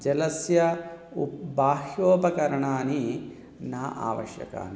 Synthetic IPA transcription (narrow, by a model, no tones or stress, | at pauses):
d͡ʒɐlɐsjɐubaːhjoːpɐkɐɾɐɳaːni | naːʔa̰ːʋɐ̰ʃjɐ̰ka̰ːni